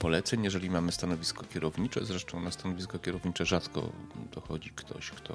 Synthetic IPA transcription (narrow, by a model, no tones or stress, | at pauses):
pɔlɛt̪sɛɲjɛʐɛlʲimamɘst̪anɔvʲiskɔkʲjɛɾɔvɲit͡ʂɛ̰zɾɛʂt̪ɔ̃w̃nast̪anɔvʲiskɔkʲɛɾɔvɲit͡ʂɛʐat̪kɔ̰d̪̥ɔxɔd͡ʑikt̪ʰɔ̰ɕkt̪ʰɔ̰